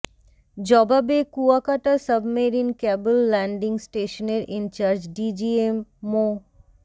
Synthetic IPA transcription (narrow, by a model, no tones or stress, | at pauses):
d͡ʑɔbabekuakaʈasəbmeɾinkɛbulːɛɳɖiŋsʈeʃoneɾʔint͡ɕaɾd͡ʑɖid͡ʑiemːo